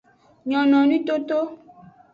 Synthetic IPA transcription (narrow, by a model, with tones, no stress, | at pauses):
ɲɔ̃˨nɔ̃˨nĩ˦t̪o˦t̪o˦